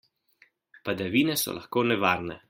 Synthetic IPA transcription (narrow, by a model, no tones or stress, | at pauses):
pad̪aʋiːnɛsɔ̰lʔa̰xkoːnɛʋaːɾnɛ